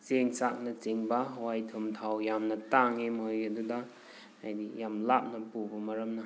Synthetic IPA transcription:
t͡ʃeŋsak̚nɐt͡ʃeŋbɐɦwajtʰɯmtʰawjamnɐtaŋimɐjɐdudɐ | ajdijamlap̚nɐpubɐmɐɾɐmnɐ

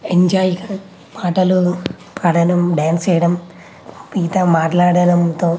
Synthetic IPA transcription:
eɲd͡ʒaːjiɡa | maːʈɐlu | pɐɽɐnɐmɖaːnst͡ʃɛjɐɽɐm | piːt̪ɐmaːʈlaːɽɐnɐmt̪oː

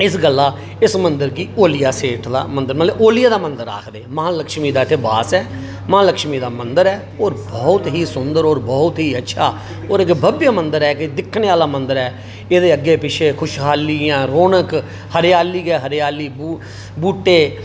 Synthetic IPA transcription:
ɪsɡəlːaː | ɪsmənd̪əɾɡiːoːlɪjaːseːʈʰd̪a̰ːmənd̪əɾməʔoːlɪjaːd̪aːmənd̪əɾːa̰ːkʰd̪eːməãːləkʃmiːd̪aːɪt̪ʰeːbaːsɛː | mãːləkʃmiːd̪aːmənd̪əɾɛː | oːɾbɔːt̪ɦiːsʊnd̪əɾoːɾbɔːt̪ɦiːətːʃʰaː | oːɾɪkbʱəbjaːmənd̪əɾɛːkɪd̪ɪkʰːneːaːlaːmənd̪əɾɛː | eːd̪eːəɡeːpɪʃʰeːkʰʊʃɦaːliãːɾoːnək | həɾejaːliːɡɛːɦəɾeaːliːbu | buːʈːeː

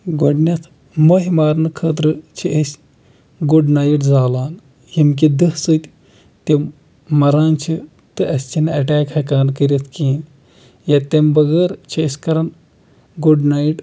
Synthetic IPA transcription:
ɡoɖnʲɐt̪ʰ | mɐɦimaːɾnɨkʰəːt̪ɾɨt͡ʃʰiʔesʲ | ɡuɖnaːjiʈzaːlaːn | himk̬id̪ɨhsɨt̪ʲ | t̪i | mɐɾaːnt͡ʃʰi | t̪ɨʔɐsʲt͡ʃʰinɐʈaːkhɐkaːnkəɾʲɐt̪ʰkiːn | jat̪ɐmbɐɡəːɾt͡ʃʰiɐsʲkɐɾɐn | ɡuɖnajiʈ

